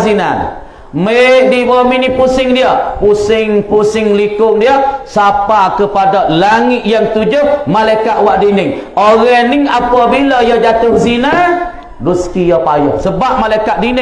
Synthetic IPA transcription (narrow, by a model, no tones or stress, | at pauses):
zina̰n | mədibɔminipusɪŋdiəpusɪŋpusɪŋlikʊŋdiəsapakəpadalaŋɪʔ̪jaŋt̪ud͡ʒʊhmalajkat̪̚waʔdinɪŋoɣɛniŋapabilajɔd͡ʒat̪ʊkzina | duskijɔpajɔ̰ʔsəbap̚malaikaʔ̪̚dinɪ